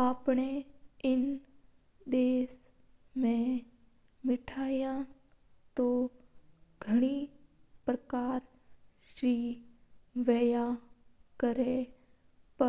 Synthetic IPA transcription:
aːpɳ̃eɪn | d̪eːs | mẽ | mɪʈʰaːjã | t̪o | ɡʱəɽ̃iːpɾəkaːɾ | ʃɾiː | ʋɛːjãkəɾe | pə

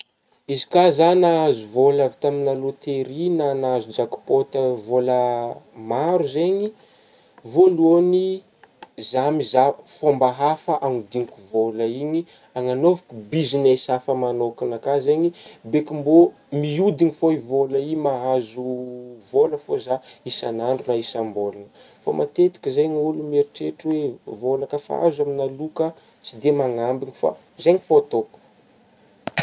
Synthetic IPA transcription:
izi̥kazanaazuvolavit̪aminalot̪eɾinanazud͡ʒaku̥pot̪əvoləmaɾuzeɲi | voluoni | zamizafombaɦafaʔaŋud̪iŋkuvoləiɲi | aŋanovakubizinesafəmanokinakazeɲibekimbo | miud̪iŋifoivolaimaɦazuvoləfozaisanaɳɖ͡ʐunaisambolanə | fo̰mʔa̰t̪et̪i̥kizajnulumieɾiʈ͡ʂeʈ͡ʂwevolakəfa̰a̰zaminalukə | t͡sid̪emaŋambiŋifa̰ | zeɲifoat̪oku̥

